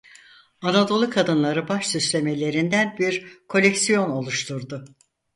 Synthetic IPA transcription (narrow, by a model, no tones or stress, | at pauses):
anad̪o̞lˠɯkʰad̪ɯnlˠaɾɯbaʃsyslʲe̞me̞lʲe̞ɾind̪ænbiɾkʰo̞lʲecsijo̞no̞lˠuʃt̪ʰuɾd̪ʊ